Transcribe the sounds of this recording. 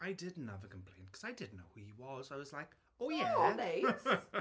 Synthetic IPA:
aɪdɪdⁿn̩nʌvəkʰə̃m̩pʰl̥ẽɪ̃nkʰʌ̥z̥aɪdɪdⁿn̩noʊhuiwʌzaɪwʌzlaɪk | oʊjæɔneɪs

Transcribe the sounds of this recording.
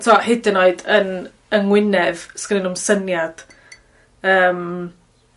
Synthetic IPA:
tʰuahɪdɪnoɨdən | əŋwɪnɛvskənɪnumsənjad̥ | əːm

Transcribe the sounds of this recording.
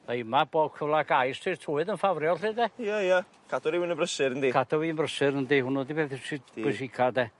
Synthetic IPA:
aɪmabɔːkʰəvlˠaɡajstʰitʰuːɨðənfavrjɔlˠriːdɛjaja | kʰadɔɾiwinəmbrəsɪɾəndiːkʰadʰɔwiənbrəsɪɾəndihʊnɔdibɛθsɪbɛʃikʰadɛ

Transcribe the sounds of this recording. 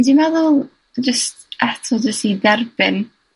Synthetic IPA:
dimɛðʊlˠ | d͡ʒəst | ʔatʰɔd͡ʒəstidɛrbɪn

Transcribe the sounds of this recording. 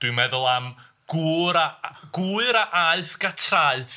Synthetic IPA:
d̥wɨmɛðʊlˠam | ɡ̥uɾaɡ̥uɨɾaʔaɨθɡ̥atʰraɨθ

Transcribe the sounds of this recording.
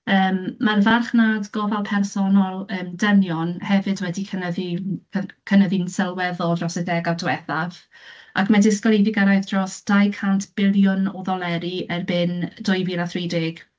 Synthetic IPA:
əːmːarvarχnadɡɔvɛlˠpʰɛrsɔnɔlˠəːmdənjɔnhɛvɨdwɛdikʰənəðinʰəkʰənəðinsɛlˠwɛðɔdrɔsɛdɛɡadwɛθav | akʰmadɪskɔlˠejvɪɡaɾajðdrɔsd̥ajkʰantʰb̥ɪlˠjʊnɔðɔlˠɛɾiɛrbɪnd̥ʊjviɾaθridɪɡ̥

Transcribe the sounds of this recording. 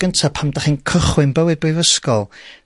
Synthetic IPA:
ɡ̥əntʰapʰamdaχiːnkʰəχwɪnbəwɨd̚bivəskɔlˠ

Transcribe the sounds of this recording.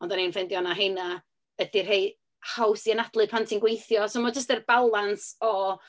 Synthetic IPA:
ɔndanejnfɛndjɔnaɦejna | ədɪrɦej | hawsiənad̥lˠɨpʰantʰinɡwejθjɔsomɔd͡ʒəs̬tɛrb̥alˠansɔ

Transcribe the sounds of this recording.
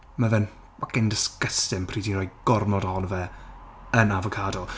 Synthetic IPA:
məðɛn | wakɪndɪskəstɪmpʰriːdinrɔjɡ̥ɔrnɔdhɔnvɛ | ənavɔkʰaːdɔlˠ

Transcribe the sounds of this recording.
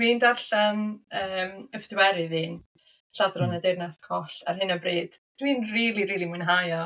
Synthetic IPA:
wiːndaɬanəːməfdɪwɛɾɨðiːn | ɬadrɔnədernaskʰɔɬa̰rɦɨnabreːd̥ | d̥wiːnriːlˠiɾiːlˠimunɦajɔ

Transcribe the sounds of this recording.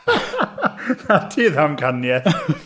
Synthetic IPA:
atʰiðamkʰanjɛθ

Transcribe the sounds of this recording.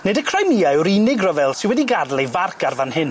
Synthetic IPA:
nedəkʰr̥ajmiajwɾinɪɡrɔvɛlˠsɪnwɛdiɡadlˠejvarkʰarvanhɪn

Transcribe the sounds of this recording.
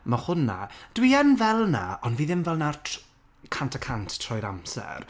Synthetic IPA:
mahʊna̰d̥wiənvɛlˠnaɔnviːðɪmvɛlˠnartʰ | kʰantʰakʰantʰtʰrɔjɾamsɛ̰r

